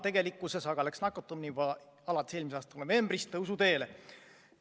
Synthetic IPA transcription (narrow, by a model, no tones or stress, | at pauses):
t̪e̞ɡe̞likːˑusesɑɡ̥ɑleksnɑkːˑot̪ːˑumnivɑ | ɑlɑt̪ːˑe̥seːlmiseɑːst̪ɑlnove̞mb̥rist̪ɤuwsut̪e̞ːle